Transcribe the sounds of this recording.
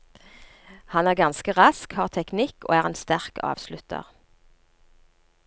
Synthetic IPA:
hɑnæːʁɡɑnskəʁɑskhɑːʁt̪ʰɛknɪko̰ːæːʁeːnst̪æʁkɑ̰ːʋslʉt̪ə̰ʁ

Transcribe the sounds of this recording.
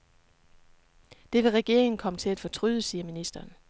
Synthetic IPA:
d̥e̝ʋe̝ʁɛɡ̥e̝ɐ̰eŋn̩kʰɒ̽mət͡sʰe̝læd̥fɒ̽t͡sʰʁyðˠəsiːɐminisd̥ɐːn

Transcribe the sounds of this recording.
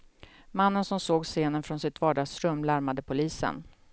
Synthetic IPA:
manːənsɔmsoːɡseːnənfɾɔnsɪt̪vɑːɖɑːɡsɾɵmːlaɾmad̪əpʰʊliːsə̰n

